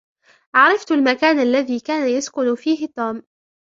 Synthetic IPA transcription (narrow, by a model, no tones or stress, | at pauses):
ʔɑʕɾˤɑft̪almakaːnʔalːaðiːkaːnajaskʊnfiːɦɪt̪ˤːuːm